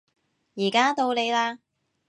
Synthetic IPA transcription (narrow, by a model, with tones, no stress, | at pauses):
jiː˨˩kaː˥t̪o˧wle˨˧jlaː˧